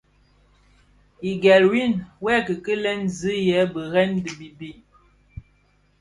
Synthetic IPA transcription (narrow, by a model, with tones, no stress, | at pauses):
i˨ɡɛ˨lwi˦˨nwɛ˦kə˨kə˦lɛ˦nzɨ˦jɛ˨˦bə˨ɣɛ˦ndə˨bi˨bi˦